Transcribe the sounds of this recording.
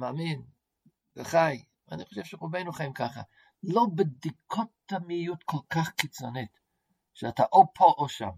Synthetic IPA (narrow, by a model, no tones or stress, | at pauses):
maːmin | veχaj | aniχoʃev̥ʃeʁubejnuχajimkaχa̰ | lobed̪ikʰotːamijutkʰolkaχkit͡sonit | ʃeataʔopʰoʔoʃa̰m